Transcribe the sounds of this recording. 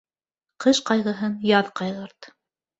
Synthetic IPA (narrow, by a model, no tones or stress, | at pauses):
qɤʃqɑjʁɤ̆ɦɤnjɑðqɑjʁɤ̆ɾt̪